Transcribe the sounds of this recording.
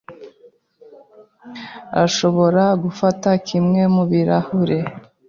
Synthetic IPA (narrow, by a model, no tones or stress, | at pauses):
a̰ʃo̞βo̞ɾaɡufatakʰimŋe̞muβiɾahuɾe